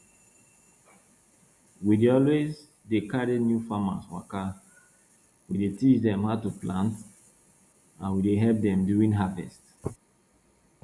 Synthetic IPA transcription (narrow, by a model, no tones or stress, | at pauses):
wideɔlwez | dekaɾenjufama̰swa̰ka | widetit͡ʃdɛ̃mhaʊtuplãnt | ãnwideɦɛlp̚dɛ̃mduĩnɦavɛ̰st